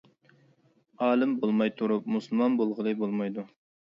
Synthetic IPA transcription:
ɑːlɪmbolˠmɑjt̪ʰuɾup̚musulˠmɑnbolˠʁəlˠɨbolˠmɑjd̪u

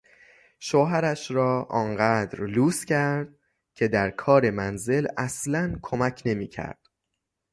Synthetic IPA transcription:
ʃoːɦæɾæʃɾɒːʔɒːnɢæːd̪ɾluːscʰæɾɾd̪̥̚ | cʰe̞d̪æɾkʰɒːɾe̞mænze̞læslænkʰomæcʰne̞miːcʰæ̰ɾd̪̥

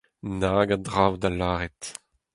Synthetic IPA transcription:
naːɡadʁaːwdalaːʁɛt

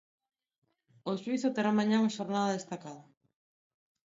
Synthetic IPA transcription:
oʃwiθot̪eɾamãɲãumaʃoɾnaðaðest̪akaðɐ

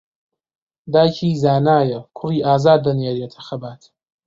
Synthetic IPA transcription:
d̪aːjcʰiːzaːnaːjɐkʰʊriːʔaːzaːd̪ːɐnjeːɾet̪ʰɐxɐbaːt̪

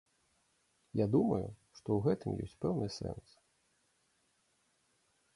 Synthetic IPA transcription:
jad̪umɐjuʂt̪ɔwɣɛt̪ɨmjɔ̰sʲt͡sʲpɛwnɨsɛ̰ns

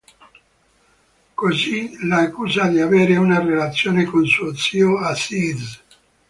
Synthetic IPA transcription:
kozilaːkːuːzad̪iaveːɾeunarelat̪sːjoːnekonsuot̪siːoasiz

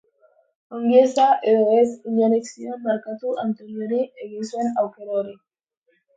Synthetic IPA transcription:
oŋɡesaʔeoesiɲaneksionmaɾkat̪uʔant̪eɾjoɾieɣiswenawkeɾoɾi

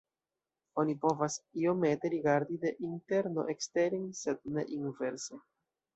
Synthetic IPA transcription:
o̞nipo̞vasio̞me̞te̞ɾiɡaɾdide̞ʔinte̞ɾno̞̰ʔekste̞ɾinse̞d̚ne̞̰ʔinve̞ɾse

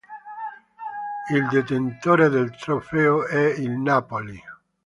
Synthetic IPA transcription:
ild̪et̪ent̪oːɾed̪elt̪ɾofeoɛilnapoli

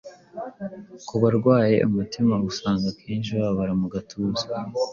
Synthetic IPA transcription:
kuβaɾɡwaːje̞̰ʔumutimaɡusaːŋɡakʰiːnʃiβaaβaɾamuɡatʰuza

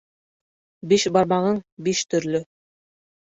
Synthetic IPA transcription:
biʃbɑɾmɑʁɤɴbiʃt̪ɵ̆ɾlɵ

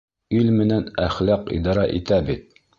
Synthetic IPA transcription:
ilmɘ̆nænæχlɑqḭd̪ɑɾɑʔit̪æbit̪̚

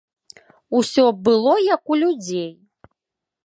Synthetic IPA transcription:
usʲɔbɨlˠɔjakulʲud͡zʲej

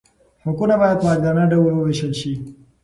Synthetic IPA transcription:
hʊkunabajad̪maɡɡanaɖawəlwəweʃəlʃi

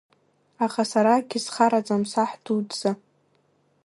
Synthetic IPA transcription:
aχasaɾaɡʲisχaɾat͡sʼamsaħd̥udz̥a

